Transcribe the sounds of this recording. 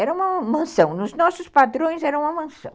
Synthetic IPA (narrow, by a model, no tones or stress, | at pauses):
ɛɾɐũmɐmɐ̃sɐ̃w̃nʊznɔsʊspad̪ɾõj̃zɛɾɐ̃wũmɐmɐ̃sɐ̰̃w̃